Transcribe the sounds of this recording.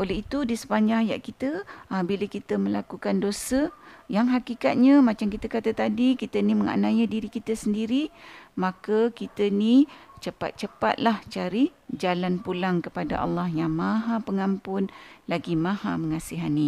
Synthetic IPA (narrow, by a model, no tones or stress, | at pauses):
ʔolɛɦit̪udisə̥paɲãŋja̰ʔkit̪əbilakit̪əməlakukandosəjaŋɦakikat̪̚ɲãmãt͡ʃamkit̪əkat̪at̪adikit̪əniməŋa̰ʔnãjədiɾikit̪əsəndiɾimãkakit̪ənit͡ʃəpa̰t̪̚t͡ʃəpa̰t̪̚laht͡ʃaɾid͡ʒalanpulaŋkəpada̰ʔɑ̰lːahjaŋmãɦapəŋampʊnlaɡimãhaməŋasiɦani